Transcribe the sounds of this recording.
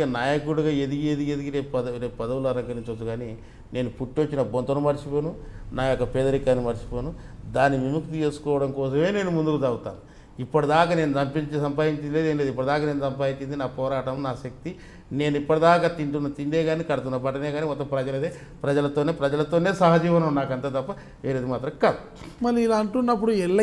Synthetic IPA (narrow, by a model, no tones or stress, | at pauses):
ɐnaːjɐkuɽuɡaːed̪iɡied̪iɡed̪ikiɾeːpɐɐɾeːpɐd̪ɐwulɐɾɐŋkɐɾit͡ʃɐt̪ːuɡaːni | ne̞ːnupuʈːiʋot͡ʃːinɐbont̪ɐnumɐɾt͡ʃipoːnunaːjɔkːɐpɛːd̪ɐɾikːaːnimɐɾt͡ʃi̥poːnud̪aːnːiʋimukt̪it͡ʃe̞ːsu̥kɔːʋɐɽɐŋkɔːsɐme̞ːne̞ːnumund̪ukud̪ɐwut̪a̰ːnu | ipːɐʈid̪aːkane̞ːnut̪ɐmpiɲt͡ʃisɐmpaːjiɲt͡ʃileːd̪eːnleːd̪ip̬ːɐɽid̪aːkane̞ːnut̪ɐmpaːjit͡ʃːind̪inaːpɔːɾaːʈɐmnaːʃɐk̚t̪i | ne̞ːnuipːɐʈid̪aːkaːt̪iɳʈunːɐt̪ind̪eːɡaːnikɐɽɐt̪unːɐpɐʈɐneːɡaːnimɔt̪ːɐmpɾɐd͡ʒɐlɐd̪eː | pɾɐd͡ʒɐlɐt̪o̞ːne̞ːpɾɐd͡ʒɐlɐt̪o̞ːne̞ːsaːɦɐd͡ʒiːʋɐnɐmnːaːkɐnt̪aːt̪ɐpːɐ | ʋeːɾed̪imaːt̪ɾɐmkaːd̪u | mɐɾiilaːɐɳʈunːɐp̬ːuɽuɛlːɐ